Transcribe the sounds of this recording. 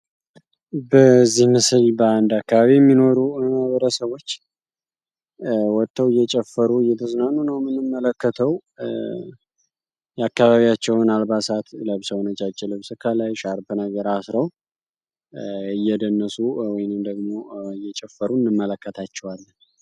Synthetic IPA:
bəzːihmɨsɨlbəand̪akːaβaβijɛmːino̞ɾuməhβəɾəsəβo̞t͡ʃː | wɔt̪ʰʼːəwɨjːɛt͡ʃʼɛfːəɾuɨjːɛt̪ʰəznanunəwmɨnɨmːələkːət̪ʰəw | jɛakːaβaβijat͡ʃːɛwnalbasat̪ləβsəwnət͡ʃʼat͡ʃʼːɪlɨβsɨkʰəlajʃaɾbɨnəɡəɾasɾəw | ɨjːɛd̪ənːəsuwɔjnɨmd̪əɡmo̞ɨjːɛt͡ʃʼɛfːəɾuɨnːɨmːələkːət̪ʰat͡ʃːɛwalːən

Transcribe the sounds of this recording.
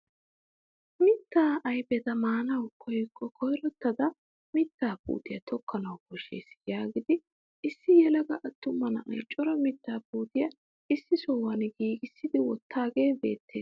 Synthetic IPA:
mɪt̪ːaːʔɐjbɛt̪ɐmaːnɐwkʰɔjkʼːɔkʰɔjɾɔt̪ːɐd̪ɐ | mɪt̪ːaːpṵːt̪ɪjɐt̪ɔkʰːɐnɐwkɔʃːḛːsjaːɡɪd̪ɪ | ʔɪsːɪjɛlɐɡɐʔɐt̪ːʊmːɐnɐʔɐ̰jt͡ʃʼːɔɾɐmɪt̪ːaːpuːt̪ɪjɐ | ɪsːɪsɔwɐnɪɡiːɡɪsːɪd̪ɪwɔt̪ːaːɡe̞ːbe̞̰ːt̪ːḛːs

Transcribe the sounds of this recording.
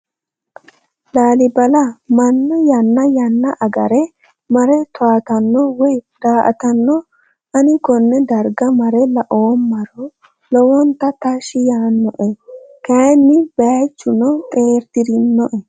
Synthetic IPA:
laːlɪbɐlɐmɐnːɐjɐnːɐjɐnːɐʔɐɡɐɾɛ | mɐɾɛt̪ʊaːt̪ɐnːɔwɔjd̪̥aːʔɐ̰t̪ɐnːɔ | ʔɐnɪkɔnːɛd̪ɐɾɡɐmɐɾɛlɐʔoːnmɐɾɔ | lɔwɔnt̪ɐt̪ɐʃɪjaːnːɔʔɛkɐnːɪbɐt͡ʃːʊnɔt̪ʼe̞ːɾd̪ɪɾɪnːɔʔɛ

